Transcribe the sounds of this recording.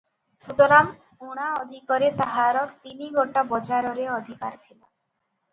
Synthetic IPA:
sud̪ɔɾam | uɽ̃aɔd̪ʱikɔɾet̪aɦaɾɔt̪iniɡʱoʈabɔd͡ʒaɾɔɾeɔd̪ʱikaɾt̪ʰila

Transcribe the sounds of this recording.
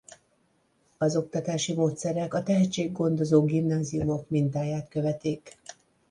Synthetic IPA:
ɒzo̞k̚t̪ɒt̪aːʃimoːt̪sɛɾɛkɒt̪ɛɦɛt̪t͡ʃeːɡːo̞nd̪o̞zoːɡimnaːziumo̞kmint̪aːjaːt̪kø̞vɛt̪iːk

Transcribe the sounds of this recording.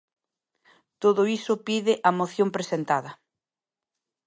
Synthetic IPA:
t̪oðʊisʊpiðɪʔɐmoθjompɾesent̪aðɐ

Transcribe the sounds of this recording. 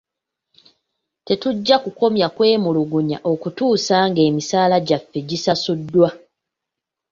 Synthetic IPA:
te̞tuɟːakuko̞mjakwe̞ːmuluɡuɲa̰ʔo̞kutuːsaːŋɡe̞ːmisaːlaɟafːe̞ɟisasudːwa

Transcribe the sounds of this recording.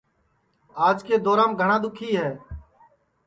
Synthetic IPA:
aːd͡ʒkeːd̪oːɾãːmɡʱəɳãːd̪ʊkʰiːɦɛː

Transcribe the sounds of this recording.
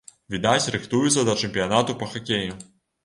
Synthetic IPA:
vʲid̪at͡sʲrɨxt̪ujut̪sɐd̪ɐt͡ʂɛmʲpʲijanat̪upɐxakʲeju

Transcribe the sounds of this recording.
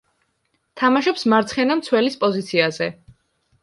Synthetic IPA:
t̪ʰamaʃɔpsmaɾt̪sʰχɛnamt̪sʰwɛlispʼɔzit̪sʰiazɛ

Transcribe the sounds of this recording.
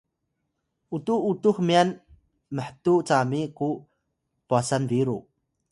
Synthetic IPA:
ʔut̪uʔut̪ukmian | məħt̪uʔt͡samiku | puasanviɾu

